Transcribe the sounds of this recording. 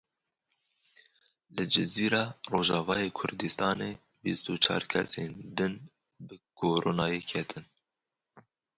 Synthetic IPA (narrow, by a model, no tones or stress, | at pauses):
lɨd͡ʒɪziːɾɑːroːʒɑvɑːjeːkʰʊ̰ɾd̪ɨst̪ɑːne | bist̪ut͡ʃʰɑ̰ːɾkʰɛ̰seːnd̪ɨn | bɨkʰoːɾoːnɑːjeːkʰɛt̪ʰɨn